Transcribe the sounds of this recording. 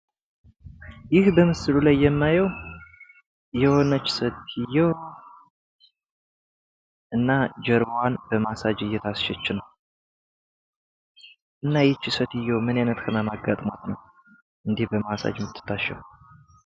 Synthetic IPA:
jɪhbəmɨsɨlulajːɛmːajəw | jɛhonət͡ʃːsət̪ɪjːɛw | ʔɨnːad͡ʒɛɾwanbəmasad͡ʒɨjːɛt̪ʰasʃɛt͡ʃːɪnəw | ʔɨnːajɛt͡ʃːɪsət̪ɪjːɛwmɨnajnət̪kʰəmamaɡːa̰t̪ʼma̰t̪nəw | ʔɨnd̪ihbəmasa̰d͡ʒmɨt̪ʰːɨ̥t̪ːaʃɛ̰w

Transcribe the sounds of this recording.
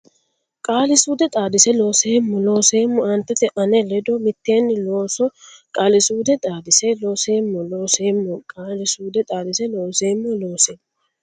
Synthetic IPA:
kʼaːlɪsuːd̪ɛt̪ʼaːd̪ɪsɛlo̞ːseːmːɔlo̞ːseːmːʊɐnt̪ːɛt̪ɛʔɐnɛlɛd̪ɔmɪt̪ːjeːnːɪloːsɔkʼaːlɪsuːd̪ɛt̪ʼaːd̪ɪsɛlo̞ːseːmːʊlo̞ːseːmːʊkʼaːlɪsuːd̪ɛt̪ʼaːd̪ɪsɛlo̞ːseːmːʊlo̞ːseːmː

